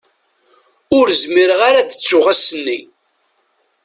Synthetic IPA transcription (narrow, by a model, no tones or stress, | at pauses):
ʊɾzmiɾəʁaɾad̪ət͡sːʊʁasənːi